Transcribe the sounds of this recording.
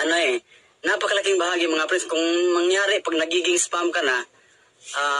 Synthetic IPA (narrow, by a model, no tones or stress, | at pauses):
ʔanoɛ | napakalakɪŋbaɦaːɡimaŋapɾɪskʊŋmaŋjaːɾɪpaɡnaɡiɡɪŋspamkana | a